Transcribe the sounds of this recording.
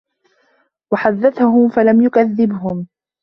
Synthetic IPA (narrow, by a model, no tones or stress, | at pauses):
waħaðːaθahʊmfalamjʊkaðːɪbɦʊm